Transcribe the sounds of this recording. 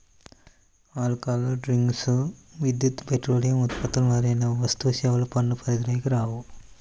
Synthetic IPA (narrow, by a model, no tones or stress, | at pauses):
aːlkaːlɐɖɾiŋɡsʋid̪jut̪peʈroːlijɐmut̪̚pɐt̪ːɐlmɐːɾenːɐʋɐst̪uʋɐsɐːʋɐlɐpɐɳːupʰɐɾid̪ɾɐjkɐɾaːʋu